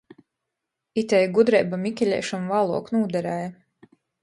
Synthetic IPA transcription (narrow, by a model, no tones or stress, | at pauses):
it̪ɛjɡud̪ɾɛjbamikʲɛlʲɛ̰ːʃamvaːlˠṵɔknuːd̪ɛɾɛːja